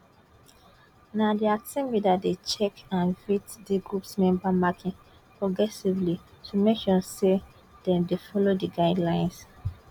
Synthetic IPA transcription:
nadiasɛ̃mbidatdet͡ʃɛkãnvitdiɡɹupsmɛ̃mbamakʰĩn | pʰɹɔɡɹɛsivli | tʰumekʃɔse | d̥ɛ̃mdefɔlodiɡaɪdlãɪ̃ns

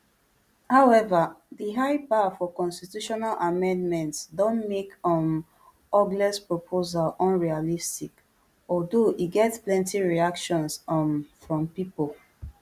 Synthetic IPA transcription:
haʊɛvaðəɦaɪpafɔkɔ̃nstitjuʃɔnalʔamɛ̃ndmɛ̃ntsdɔ̃nmekɔ̃n | ɔɡlɛspɹopʰozalɔ̃nɹialistik | ɔdoʔiɡɛtplɛ̃ntiɹiakʃɔ̃nsnfɹɔ̃mpipolˠ

